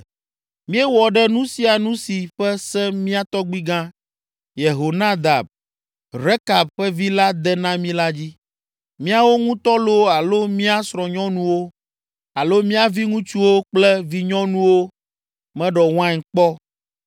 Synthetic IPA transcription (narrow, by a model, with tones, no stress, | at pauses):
mĩ˦ɛ˦wɔ˨ɖɛ˦nũ˦si˦a˨nũ˦si˨ɸɛ˦sɛ̃˦mĩ˦a˦t̪ɔ˦ɡ͡bi˦ɡã˦ | je˨ɦo˨nã˦d̪a̰˨b̚ | ɾe˦ka˨b̚ɸɛ˦vi˦la˦d̪ɛ˦nã˦mĩ˦la˦d͡ʑi˦ | mĩ˦a˦wo˦ŋũ˦t̪ɔ˦lo˦a˨lo˦mĩ˦a˦sɾɔ̃˨ɲɔ̃˦nũ˦wo˦ | a˨lo˦mĩ˦a˨vi˦ŋũ˦t͡ʃu˦wo˦k͡plɛ˦vi˦ɲɔ̃˦nũ˦wo˦ | mɛ̃˦ɖɔ˨w̃ã˦˨k͡pɔ˦